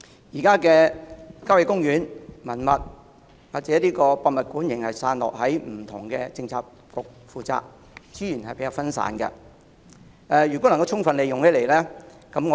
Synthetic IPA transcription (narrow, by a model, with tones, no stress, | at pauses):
jiː˨˩kaː˥kɛː˧kaː˥wje˨˧kʊ˥ŋjyː˨˥nmɐ˨˩nmɐ˨t̚ | waː˨k̚t͡sɛː˨˥liː˥kɔː˧paː˧mɐ˨t̚kuː˨˥njɪ˨˩ŋhɐ˨jsaː˧nlɔ̰ː˨k̚ɦɐ˨˥jm̩˨˩t̪ʰʊ̰˨˩ŋkɛː˧t͡sɪ˧ŋt͡sʰaː˧k̚ | kʊ˨k̚fuː˨t͡sa̰ː˧k̚ | t͡siː˨˥jyː˨˩nhɐ˨jpe˨˦˥kaː˧fɐ˥nsa̰ː˨˧˥nkɐ̰˧ | ʔɛ˨˧jyː˨˩kwɔ˨˥lɐ˨˩kɐ˧wt͡sʰʊ˥ŋfɐ˨nle˨˧jʊ˨ŋhe˨˥le˨˩jlɛː˥kɐ˨˥mŋɔ˨˧